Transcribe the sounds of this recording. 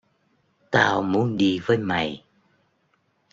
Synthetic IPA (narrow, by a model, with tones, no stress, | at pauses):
t̪aː˧wmu˨˦ənɗi˧vəː˨˦jma˨˩j